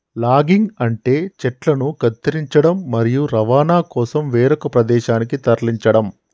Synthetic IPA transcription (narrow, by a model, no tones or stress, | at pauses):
laːɡiŋɡɐɳʈe̞ːt͡ʃɛʈlɐnuɡɐt̪ːɐɾiɲt͡ʃɐɽɐmːɐɾijuɾɐʋaːnaːkɔːsɐmʋeːɾɐkɐpɾɐd̪ɛːʃaːnikit̪ɐɾliɲt͡ʃɐɽɐm